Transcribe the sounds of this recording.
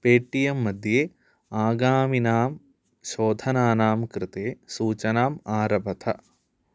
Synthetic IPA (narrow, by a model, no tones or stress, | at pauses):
peːʈijɐmːɐd̪ʱjeː | aːɡaːminaːm | ʃoːd̪ʱɐnaːnaːmkɾɪt̪eːsuːt͡ʃɐnaːmaːɾɐbʱɐt̪ʰɐ̰